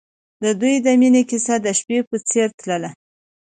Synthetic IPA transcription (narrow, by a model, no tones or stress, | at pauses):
d̪əd̪ujd̪əminekisad̪əʃpepət͡seɾt̪ləla